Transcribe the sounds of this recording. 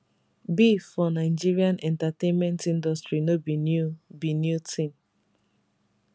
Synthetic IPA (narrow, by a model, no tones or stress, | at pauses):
bifɔnaɪd͡ʒiɹiãnʔɛ̃ntatẽnmɛ̃ntĩndɔstɹinobibinjutʰĩm